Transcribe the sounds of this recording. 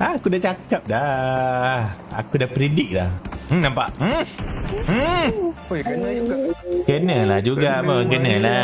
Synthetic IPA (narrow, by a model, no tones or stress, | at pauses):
aakudaht͡ʃakap̚da | a̰kudapɾidɪk̚lahm̩nãmpa̰ʔm̩ | kənəlahd͡ʒuɡaməkənəla